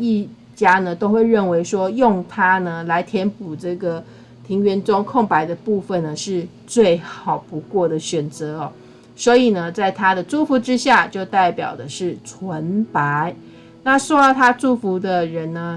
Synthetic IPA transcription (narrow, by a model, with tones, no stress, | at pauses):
i˥˩ | t͡ɕja˥nə˨t̪o˥ʊxwe˥˧ɪɻə˥˩nwe˧˥ɪʂwɔ˥jʊ˥˨ŋt̪ʰa˥nə˨la˧˦˥ɪt̪ʰjɛ˧˦˥npu˨˩ʈ͡ʂɤ˥˩ɡə˩ | t̪ʰi˧˥ŋɥɛ˧˥nt͡sʊ˦ŋkʰʊ˥˩ŋpa˧˦ɪd̪ə˨pu˥˧fə˨nnə˩ʂɻ̩˥˧ | t͡swe˥˩ɪxɑ˨˩ʊpu˧˦kwɔ˥˩d̪ə˩ɕɥɛ˨˩nt͡sɤ˨˦ɔ˨ | swɔ˧˥i˨˩nə˩t͡sa˥˩ɪt̪ʰa˥d̪ə˨ʈ͡ʂu˥˩fu˧˥ʈ͡ʂɻ̩˥ɕja˥˧t͡ɕjo˥˧ʊt̪a˥˩ɪpjɑ̰˨˩ʊd̪ə˩ʂɻ̩˥˩t͡sʰwə˧˦npa˨˧˦ɪ | na˥˨swɔ˥jɑ˥˩ʊt̪ʰa˥ʈ͡ʂu˥˩fu˧˥d̪ə˨ɻə˧˦nnə˧˦